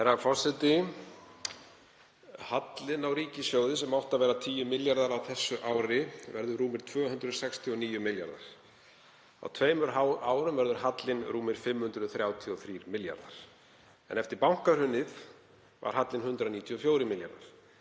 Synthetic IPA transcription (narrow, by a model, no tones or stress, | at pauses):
ɛɾafɔr̥sɛt̪ɪ | hat̪lɪnawɾiːcɪsjoːwðɪsɛmawht̪avɛːɾat̪ʰiːjʏmɪljaɾðaɾawθɛsːʏʔaːwɾɪvɛɾðʏɾuːmɪɾ̥t̪ʰvœːɦʏnd̪ɾʏðsɛkst̪ʰiɔniːjʏmɪlja̰ɾða̰ɾ̥ | a̰wt̪ʰveːjmʏɾaaːwɾʏmvɛɾðʏɾhat̪lɪnɾuːmɪɾ̥fɪmːhʏnd̪ɾʏðθɾjaːwt̪ʰiɔθɾiːɾmɪlja̰ɾða̰ɾ̥ | ɛ̰nɛft̪ɪɾpawŋ̥kaɾ̥hʏnːɪð | va̰ɾ̥hat̪lɪnhʏnt̪ɾaniːt̪ʰiɔfjoːwɾɪmɪlja̰ɾða̰ɾ̥